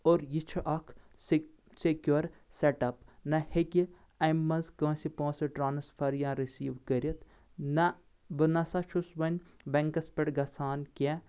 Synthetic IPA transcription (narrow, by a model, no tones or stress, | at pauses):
oːɾjit͡ʃʰuʔɐkʰ | sekʲjuɐɾseʈɐpnɐheki | ɐjmːɐzkɐ̃ːsipõːsɐʈɾaːnɐsfʰɐɾjãːɾisiːʋkɐɾiɐt̪ | nɐ | bɐnɐsɐt͡ʃʰusʋɐnʲbeŋkɐspʲeʈɡɐsaːnkʲe